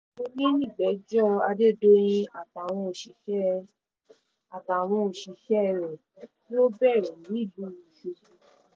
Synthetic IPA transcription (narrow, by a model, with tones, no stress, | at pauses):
o˧nĩ˦nĩ˦˨ɡ͡bɛ˨˦d͡ʒɔ˦a˧de˦˨do˦j̃ĩ˧a˨ta˨w̃ɔ̃˧o˨ʃi˨ʃɛ˦ | a˨ta˨w̃ɔ̃˧o˨ʃi˨˧ʃɛ˦˧ɾɛ˨ | ki˦o˦bɛ˦˨ɾɛ˨nĩ˨˦i˦˨lu˦˨ĩ˨˧ʃe˧˨